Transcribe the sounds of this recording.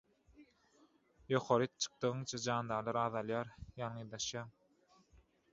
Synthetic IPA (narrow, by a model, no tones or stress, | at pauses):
joqʰoɾɯt̪t͡ʃʰɯ̥q̚t̪ɯʁɯŋt͡ʃʰɑd͡ʒɑːnd̪ɑːlˠɑɾɑːðɑlˠjɑːɾjɑnŋɯjd̪ɑʃjɑːŋ